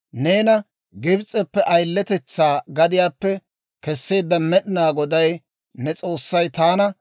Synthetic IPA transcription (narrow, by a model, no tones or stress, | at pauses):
ne̞ːnɐ | ɡɪbt͡sʼɛpːɛʔɐjlːɛt̪ɛt͡sːaːɡɐd̪ɪjaːpːɛ | kɛsːe̞ːd̪ːɐmɛɗɪnaːɡɔd̪ɐj | nɛt͡sʼo̞ːsːɐjt̪aːnɐ